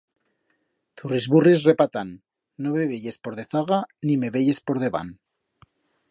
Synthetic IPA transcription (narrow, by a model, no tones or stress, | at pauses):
θurizβurisre̞pat̪anː | oβeβeʎe̞spo̞ɾðe̞θaɣanime̞βeʝe̞spo̞ɾðe̞βa̰n